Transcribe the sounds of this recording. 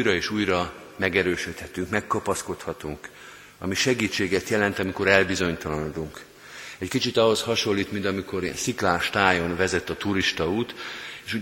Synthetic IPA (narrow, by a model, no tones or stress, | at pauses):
jɾɒeːʃuːjrɒ | mɛɡɛɾøːʃøt̪hɛt̪yŋkmɛkːɒpɒsko̞t̪hɒt̪uŋk | ɒ̰miʃɛɡiːt͡ʃːeːɡɛt̪jɛlɛnt̪ɒmiko̞ɾɛlbizo̞ɲt̪ɒlɒnd̪uŋk | ɛckit͡ʃit̪ɒɦo̞shɒʃo̞lːiːt̪mind̪ɒmiko̞ɾ̰nsiklaːʃt̪aːjo̞nvɛzɛt̪ːɒt̪uɾiʃt̪ɒuːt̪eːʃu